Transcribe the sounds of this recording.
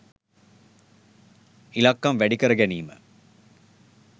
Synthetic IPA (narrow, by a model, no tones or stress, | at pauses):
ilɐkːɐmʋæɖikɐɾɐɡæniːmə̰